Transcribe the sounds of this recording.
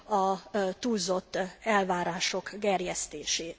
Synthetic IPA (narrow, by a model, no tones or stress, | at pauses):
ɒt̪uːlzo̞t̪ːɛlvaːɾaːʃo̞kɡɛrjɛst̪eːʃeː